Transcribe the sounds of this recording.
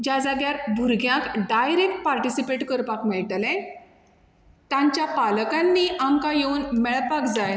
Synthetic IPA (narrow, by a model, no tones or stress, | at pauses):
d͡ʑad͡zaɡjaɾbʱuɾɡʱjãkɖajɾekʈ̚paɾʈisipeʈkəɾpakmɛɭʈlɛ̃ | t̪ãɲt͡ɕjapaləkãnːiːamkajeunmɛɭpakd͡zaj